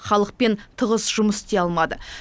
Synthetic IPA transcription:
χɑlˠəq̚pe̞nt̪ʰəʁəsʒʊməsɪ̥st̪e̞ɑlˠmɑd̪ə

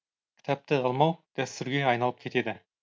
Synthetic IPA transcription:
kʰʲɪ̥t̪ʰæp̚t̪ɪʁɑlˠmɑwd̪̥æst̪ʏɾɡʲeɑjnɑlˠəp̚kʲʰe̞t̪e̞d̪ɪ

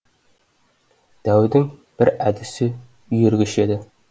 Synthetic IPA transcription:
d̪̥æwd̪ɪŋb̥ɪɾæd̪ɪsɪ | jɵɾɡʲɪʃed̪ɪ

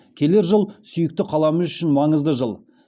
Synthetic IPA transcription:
kʲʰe̞le̞ɾʒəlˠsʏjɪk̚t̪ɪqʰɑlˠɑməzʏʃɪnmɑɴəzd̪əʒəlˠ

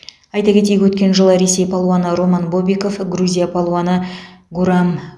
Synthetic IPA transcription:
ɑjt̪ɑkʲe̞t̪̬ejʲwɵt̪̚kʲe̞nʒəlˠəɾe̞se̞jpʰolˠwanəɾo̞manbo̞bʲiko̞fɡruzʲijapʰolˠwanəɡuɾam

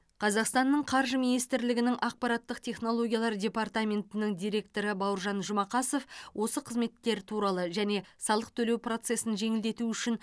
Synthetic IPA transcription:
qʰɑzɑqst̪ɑnːəɴqʰɑɾʒəminijst̪ɪɾlɪɡʲɪnɪŋʔɑq̚pɑɾɑt̪ːəqt̪ʲʰe̞χno̞lˠo̞ɡʲjɑlˠɑɾdʲe̞pɑrt̪amʲe̞nt̪ɪnɪŋd̪ʲijɾʲe̞k̚t̪o̞ɾəbɑwɾʒɑnʒʊmɑqɑso̞fwʔo̞səqʰəzme̞t̪ːe̞ɾt̪ʰuɾɑlˠəʒæne̞sɑlˠəq̚t̪ʰɵle̞wpro̞t̪se̞sɪnʒe̞ŋɪld̪e̞t̪uʏʃɪn

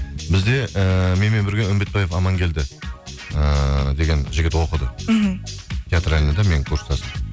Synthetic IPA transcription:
bɪzd̪e̞əme̞nme̞nbɪɾɡʲeʊmbe̞t̪̚bɑje̞fɑmɑŋkʲʰe̞ld̪ɪ | əd̪e̞ɡʲe̞nʒɪɡʲɪt̪wo̞qəd̪ə | t̪ʲʰeat̪ɾælʲɪned̪eme̞ŋkʰuɾst̪ɑsə

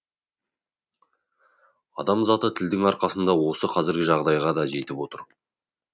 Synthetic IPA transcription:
ɑ̰d̪ɑmzɑt̪ət̪ʰɪld̪ɪŋɑɾqɑsənd̪ɑwo̞səqʰɑzɪɾɡʲɪʒɑʁd̪ɑjʁɑd̪ɑʒe̞t̪ɪpwo̞t̪əɾ

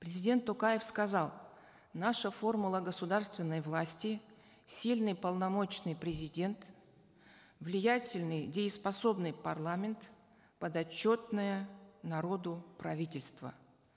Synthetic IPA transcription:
pɾʲɪzʲɪdʲe̞nt̪ːʊkajɪfskɐzɑlˠ | naʂəfo̞rmʊlˠəɡəsʊd̪arst̪vʲɪnːəjvlˠasʲtʲɪ | sʲilʲnɨjpəlˠnɐmo̞t͡ɕnɨjpɾʲɪzʲɪdʲe̞nt̪ | vlʲɪjatʲɪlʲnɨjdʲɪɪspɐso̞bnɨjpɐrlˠamʲɪnt̪ | pəd̪ɐt͡ɕːo̞t̪nəjənɐɾo̞d̪ʊpɾɐvʲitʲɪlʲst̪və̰

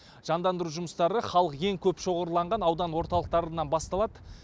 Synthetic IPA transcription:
ʒ̥ɑnd̪ɑnd̪əɾuʒʊməst̪ɑɾəχɑlˠəqje̞ŋkʲʰɵpʃo̞ʁəɾəlˠɑɴʁɑnɑwd̪ɑnwo̞ɾt̪ɑlˠəq̚t̪ɑɾənɑnbɑst̪ɑlˠɑd̪ə

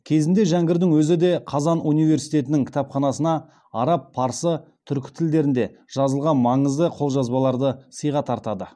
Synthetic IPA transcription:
kʲʰe̞zɪnd̪e̞ʒæŋɡʲɪɾd̪ɪŋwɵzɪd̪e̞qʰɑzɑnunijve̞ɾsijt̪e̞t̪ɪnɪŋkʲʰɪ̥t̪ɑpχɑnɑsənɑ | ɑɾɑpːʰɑɾsət̪ʰʏɾkʲɪ̥t̪ʰɪld̪e̞ɾɪnd̪e̞ | ʒ̥ɑzəlˠʁɑnmɑɴəzd̪əqʰo̞lˠʒɑzbɑlˠɑɾd̪əsəjʁɑt̪ʰɑɾt̪ɑd̪ə

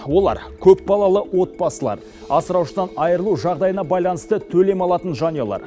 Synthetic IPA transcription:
wo̞lˠɑ̰ɾ | kʲʰɵp̚bɑlˠɑlˠəwo̞t̪̚bɑsəlˠɑ̰ɾ | ɑsəɾɑwʃəd̪ɑnɑjəɾəlˠuʒɑʁd̪ɑjənɑbɑjlˠɑnəst̪ət̪ʰɵle̞mɑlˠɑt̪ənʒɑnijolˠɑ̰ɾ

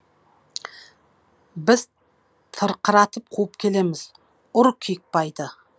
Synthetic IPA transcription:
bɪz̥ | t̪ʰəɾqʰəɾɑt̪əp̚qʰuəp̚kʲʰe̞le̞mɪz̥ | ʊɾkʲʰik̚pɑjd̪ə

